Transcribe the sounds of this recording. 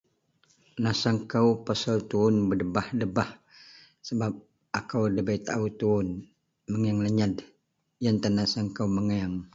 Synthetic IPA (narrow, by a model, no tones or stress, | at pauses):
nasaŋkawpasalt̪uʊnbədəbahdəbah | səbap̚ | ʔakawdəbait̪a̰ut̪uʊn | məŋaŋləɲad | jant̪ənasaŋkawməŋaŋ